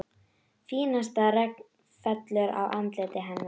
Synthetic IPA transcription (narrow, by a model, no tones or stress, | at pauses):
fiːnast̪arɛk̚n | fɛt̪lʏɾa̰wʔant̪leːt̪ɪɦɛnːa